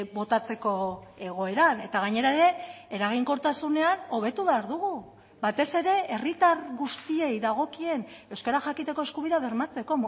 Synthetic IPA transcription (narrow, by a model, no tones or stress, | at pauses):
bo̞t̪at͡se̞ko̞e̞ɣ̞o̞e̞ɾane̞t̪aɣ̞aɲe̞ɾae̞ɾe̞eɾaɣ̞iŋko̞ɾt̪asune̞ano̞β̞e̞t̪uβeaɾðuɣu | βat̪e̞se̞ɾe̞e̞rit̪arɣust̪ie̞jðaɣ̞o̞kie̞ne̞wskeɾaxakit̪e̞ko̞eskuβiðaβe̞ɾmat͡se̞ko̞